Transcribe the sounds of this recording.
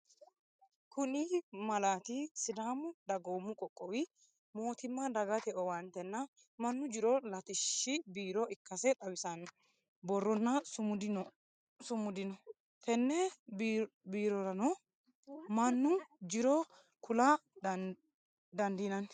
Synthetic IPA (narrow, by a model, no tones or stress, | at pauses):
kʰʊnimɐlaːt̪ɪsɪd̪aːmʊd̪ɐɡoːmːʊkʼɔkʼːɔwɪ | moːt̪ɪmːɐd̪ɐɡɐt̪ɛɔwɐnt̪ɛnːɐ | mɐnːʊd͡ʒɪɾɔlɐt̪ɪʃːɪbiːɾɔʔɪkːɐsɛᶑɐwɪsɐn | bɔrːɔnːɐsʊʊd̪ɪn | sʊmːʊd̪ɪnɔ | t̪ɛnːɛ | biːɾɔɾɐnɔ | mɐnːʊd͡ʒɪɾɔ | kʰʊlɐ | d̪ɐnd̪inɐn